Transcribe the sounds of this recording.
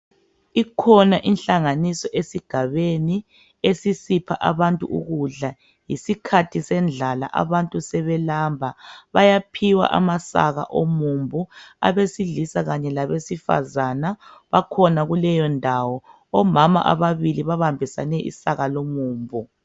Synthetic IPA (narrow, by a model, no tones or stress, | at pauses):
ikʰɔnaʔinɬaŋanisɔʔesiɡ̥ʱaβeni | esisipʰaʔaβantʼṵṵɣuɮa | jisikʰatʰisɛnd͡ɮʱala̰ʔa̰βantʼusɛβɛlaːmbʱaβajapʰiwa̰ʔa̰masa̰ɣa̰ʔomumbʱua̰βesiɮisaɣaɲɛlaβesifa̰zanaβakʰɔnaɣulɛjɔndʱawɔ | ɔmama̰ʔa̰βaβiliβaβambʱisa̰nɛʔḭsaɣalomuːmbʱu